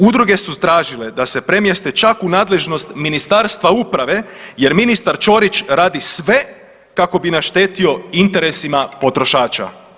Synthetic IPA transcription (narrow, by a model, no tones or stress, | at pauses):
ud̪ɾuɡe̞sust̪ɾaːʒile̞d̪ase̞pɾe̞mjest̪et͡ʃakunaːd̪le̞ʒno̞st̪minist̪aɾst̪ʋaupɾaʋe̞je̞ɾminist̪aɾt͡ʃo̞ɾit͡ʃɾaːd̪isʋe̞ | kako̞binaʃt̪e̞ːt̪io̞int̪e̞ɾe̞simapo̞t̪ɾo̞ʃaːt͡ʃa̰